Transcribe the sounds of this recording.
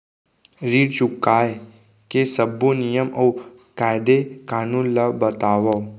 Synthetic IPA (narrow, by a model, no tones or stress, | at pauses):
ɾiːɽt͡ʃukaːe | kesəbʱːunijəmɔw | kajd̪ekaːnũnlabət̪aːʋɔ